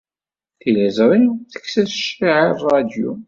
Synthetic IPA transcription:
θilæzɾˤit͡sə̥kːsæsʃiʕirˤɑd̪jṵ

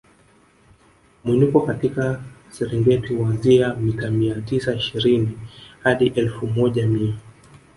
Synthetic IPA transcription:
mwinukɔkatikasɛɾɛŋɡɛtihwanziamitamiatisaiʃiɾinihaɗiʔɛlfumɔʄamia

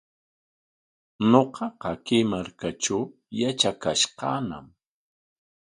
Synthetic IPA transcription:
noqɑqɑkimaɾkaʈ͡ʂaw | jat͡ʃakaʃqɑːna̰m

